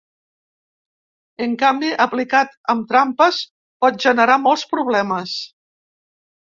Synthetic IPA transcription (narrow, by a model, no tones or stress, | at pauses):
əŋkambiʔəplikat̪əmt̪ɾampəs | pɔt̪̚ʒənəɾamɔlˠspɾuβlɛməs